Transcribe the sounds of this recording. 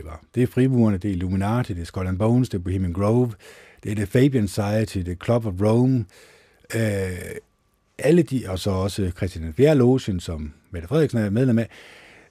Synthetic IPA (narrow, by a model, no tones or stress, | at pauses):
b̥ɐd̥e̝æfʁibuɐnəd̥e̝lːuminɑ̈ːd̥ʰəd̥e̝ɐsɡ̥ɒl̥ænb̥oʊnsd̥e̝b̥eheminɡ̥ʁoʋ | d̥e̝ɐd̥efeɪb̥iənsɑ̈ɪt͡sʰe̝d̥ekʰlɒ̽b̥ɒʁoʊm | ø | ʔæləd̥iɒsɒ̽ɒ̽səkʰʁɛsd̥inænfæɐlo̝ːɕənsɒ̽mme̥əfʁɛðˠɡsn̩æmeð̞ˠlemæ